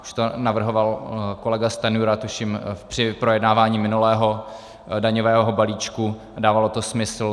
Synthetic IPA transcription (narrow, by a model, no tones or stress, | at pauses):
u̥ʃt̪onavr̩ɦo̞valko̞lɛɡast̪anuɾat̪uʃimpr̥ɪpɾojɛdnaːvaːɲiːmɪnulɛːɦo̞ | daɲovɛːɦɦobaliːt͡ʃku | adaːvalot̪o̞smɪsl̩